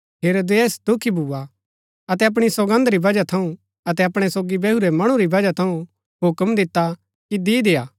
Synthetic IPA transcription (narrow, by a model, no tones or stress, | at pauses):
ɦeːɾoːd̪eeːsd̪ʊkʰibʱuːa | ɐt̪ɛɐp̬ɽ̃isoɡə̃nd̪ɾibɐd͡ʒat̪ʰɐũ | ɐt̪̬ɛɐpɽ̃ɛsoːɡibɛɦuɾɛmɐɽ̃ũɾibɐd͡ʒat̪ʰɐũ | ɦʊkəmd̪ɪt̪ːa | kid̪id̪eːaː